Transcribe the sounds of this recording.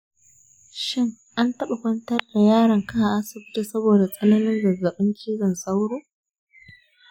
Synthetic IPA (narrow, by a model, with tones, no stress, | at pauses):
ʃɪ˦ŋʔa˦ntɐ˦ɓa˨kʷɐ˦ntɐ˦rda˨jaː˦ɽɐ˨ŋka˦ʔa˨ʔa˦sɪ˨bʊ˦ti˦˨sɐ˦boː˨da˨sʼɐ˦nɐ˦nɪ˦nzɐ˨zːɐ˨ɓɪ˦ŋkʲʰiː˦zɐ˨nsa˦wɽoː˦